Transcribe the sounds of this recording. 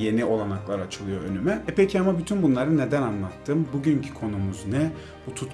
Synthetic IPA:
je̞niʔo̞lˠanaklˠaɾat͡ʃʰɯlˠɯjo̞ønymɛɛpʰecʰiamabyt̪ʰynbunlˠaɾɯne̞d̪ænanlˠat̪ʰːɯːmbuɟyɲcʰi̥kʰo̞numuznɛ | but̪ʰut̪

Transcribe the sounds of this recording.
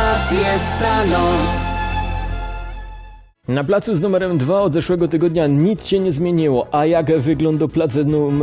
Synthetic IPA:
jɛst̪ːanɔs | naplat̪suznumɛɾɛmd̪vaɔd̪zɛʂwɛɡɔt̪ɘɡɔd̪ɲaɲit̪sɕɛɲɛzmʲjeɲiwɔʔajaɡvɘɡlɔnd̪ɔplat̪sɛnum

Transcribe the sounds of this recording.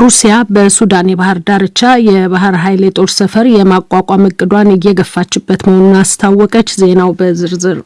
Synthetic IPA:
ɾusijabəsud̪anjɛβahɨɾd̪aɾɨt͡ʃːajɛβaɦɨɾɦajlet̪ʼo̞ɾsəfəɾjɛmakʷʼakʼamɨkʼːɨd̪wanɪjːɛɡəfːat͡ʃːɪbːət̪məhonunast̪ʰawːɔkʼət͡ʃːze̞nawbəzɨɾzɨɾ

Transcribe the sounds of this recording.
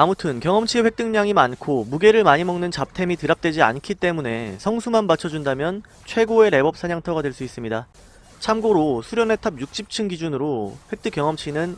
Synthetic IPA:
amutʰɯnkjʌŋʌmt͡ɕʰiɸwe̞k̚t͈ɯŋɲaŋimankʰomuɡe̞ɾɯɭmaɲimʌŋnɯnt͡ɕap̚tʰe̞mitɯɾap̚t͈we̞d͡ʑia̰nkʰit͈e̞mune̞sʰʌŋsʰumanbat͡ɕʰʌd͡ʑundamjʌn | t͡ɕʰwe̞ɡoe̞ɾe̞bʌp̚s͈ʰaɲaŋtʰʌɡadwe̞ɭs͈uis͈ɯmɲida | t͡ɕʰamɡoɾosʰuɾjʌnetʰab̚juk̚ɕ͈ʰip̚t͡ɕʰɯnɡid͡ʑunɯɾoɸwe̞k̚t͈ɯk͈jʌŋʌmt͡ɕʰinɯn

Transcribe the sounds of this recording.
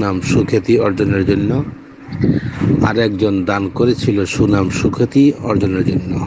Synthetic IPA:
namʃukʰet̪iɔɾd͡ʑoneɾd͡ʑonːo | a̰ɾɛk̚d͡ʑond̪ankoɾet͡ɕʰiloʃunamʃukʰet̪iɔɾd͡ʑoneɾd͡ʑonːo

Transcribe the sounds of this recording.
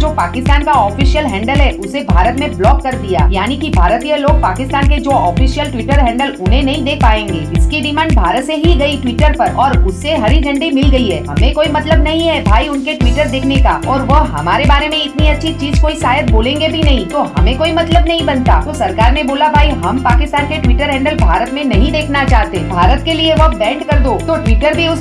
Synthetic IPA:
d͡ʒoːpaːkɪst̪aːnkaɔːfiːʃijəlɦɛ̃ːɳɖəlɦɛʊsebʱaːɾət̪mẽblɔːkːɐɾd̪ija̰ːjaːnikibʱaːɾt̪ijəloːɡ̚paːkɪst̪aːnked͡ʒoːɔːfiːʃijəlʈʋiːʈəɾɦɛ̃ːɳɖəlʊnɦẽnɐɦĩd̪eːkʰpaːẽːŋɡeːɪskiɖɪmãːɳɖ̚bʱaːɾət̪seɦiɡɐiʈʋiːʈəɾpɐɾɔːɾʊsːeɦɐɾid͡ʒɐ̃ɳɖimɪlɡɐiɦɛːɦɐmẽkoːimɐt̪ləbnɐɦĩɦɛbʱaːiʊnkeʈwiːʈəɾd̪eːkʰneka̰ːɔːɾʋɐɦɐmaːɾebaːɾemẽɪt̪niɐtːʃʰit͡ʃiːzkoːisaːjət̪̚boːlẽːŋɡebʱinɐɦĩt̪oɦɐ̰mẽkoːimɐt̪ləbnɐɦĩbɐnt̪a̰ːt̪osɐɾkaːɾmẽboːlabʱaːiɦɐmpaːkɪst̪aːnkeʈʋiːʈəɾɦɛ̃ːɳɖəlbʱaːɾət̪mẽnɐɦĩd̪eːkʰnat͡ʃaːɦt̪ebʱaːɾət̪kelieʋɐbɛ̃ːɳɖkɐɾd̪oːt̪oʈʋiːʈəɾbʱiʊs

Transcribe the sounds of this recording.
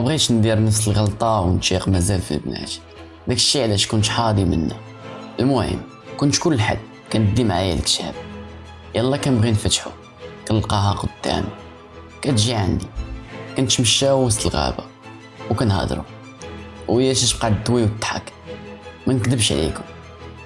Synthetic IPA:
mæbɣit͡ʃnd̪iɾnəfsəlɣɑlt̪ˤɑwənʃiqmæzælfḭlbnæ̰t̪ | d̪ækə̥ʃːiʕlæʃkʊnt̪ħɑd̪imə̰nːu | ʔəlmʊhə̰mː | kʊnt̪kʊlːħa̰d̪ | kænd̪imʕajælkt̪æ̰b̚ | jɑlˤːɑkænbɣinfæt̪ħṵ | kænəlqɑhɑqwd̪ːæ̰mḭ | kæt̪ʒiʕa̰nd̪ikænt̪məʃːawəst̪əlɣæ̰ba̰ | wkænhæ̰d̪ɾṵ | wəjːæʃæʃbqɑʕd̪t̪ːwiwt̪ːħa̰k | mænəkd̪əbʃʕlḭkʊm

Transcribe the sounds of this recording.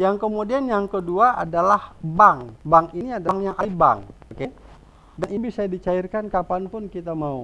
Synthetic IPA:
jaŋkəmodianjaŋkəduaʔa̰dalahbaŋbaŋiniadaŋjaŋʔaliba̰ŋoke | danibisadit͡ʃairkankapanpʊnkit̪amau

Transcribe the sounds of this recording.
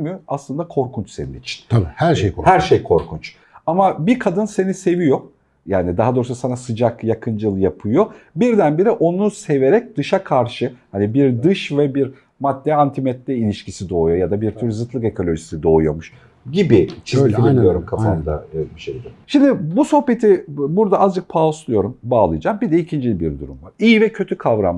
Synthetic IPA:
myaslˠɯnd̪akʰo̞ɾkʰunt͡ʃsenḭnḭt͡ʃʰi̥nʰabihæɾʃejohæɾʃejkʰo̞ɾkʰunt͡ʃ | amabikʰad̪ɯnse̞nise̞vijo̞ | jaːnid̪aɦad̪oːɾususanasɯd͡ʒakjakʰɯnd͡ʒɯlˠjapʰɯjobiɾd̪ænbiɾɛʔo̞nunuse̞ve̞ɾɛc̚d̪ɯʃakʰaɾʃɯhanibiɾd̪ɯʃvɛbiɾ | mad̪ːɛant̪ʰimɛt̪lʲɛilʲiʃcʰisid̪oːujo̞jad̪abiɾt̪ʰuɾzɯt̪lˠɯke̞kʰo̞lʲo̞ʒisid̪o̞ːujo̞muʃ | ɟibit͡ʃʰiiiijoɾumkʰafand̪abiʃejd̪ɛʃimd̪ɪbuso̞hpe̞t̪ʰibuɾd̪aazd͡ʒɯk̚pʰaoslˠujo̞ɾumbaːlˠɯjd͡ʒaːmbid̪ɛicʰind͡ʒilʲibiɾd̪uɾṵmvaɾ̥iːvɛcʰø̞t̪ʰykʰavɾa̰m

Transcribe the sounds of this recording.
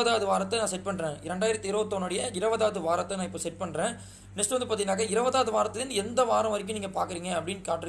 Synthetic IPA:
ɐðaːʋɐðɯʋaːɾɐt̪ːɐnãːsɛʈ̚pɐɳɾẽːɪɾɛɳɖaːjɪɾɐt̪ːɪɾoːt̪ːoːnɔɽɐjɐɪɾɐʋɐðaːʋɐðɯʋaːɾɐt̪ːɐnãːɪpːoːsɛʈ̚pɐɳːɾẽː | nɛksʈʋɐnd̪ɯpaːɾt̪ɪɣɪnaːkɐɪɾɐʋɐðaːʋɐðɯʋaːɾɐt̪ːɯðɪnːɯɛnd̪ɐʋaːɾɐ̃ʋɐɾɪk̬ːʊ̃niːŋɡɐpaːɾkɯɾiːŋɡɐɐpːɐɽɪnkaːʈːɪɾɯ

